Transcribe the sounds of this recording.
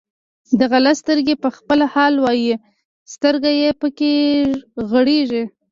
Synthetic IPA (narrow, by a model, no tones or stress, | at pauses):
d̪aɣalast̪əɾɡepəxpəlahɑlwɑji | st̪əɾɡajepəke | ɣəɽeʒi